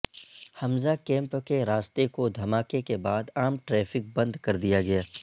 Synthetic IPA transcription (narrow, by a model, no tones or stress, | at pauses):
hɐmzakɛ̃ːmpkeɾaːst̪ekod̪ʱɐmaːkekebaːd̪aːmʈɾɛːfɪk̚bɐ̃nd̪kɐɾd̪ijaɡɐjaː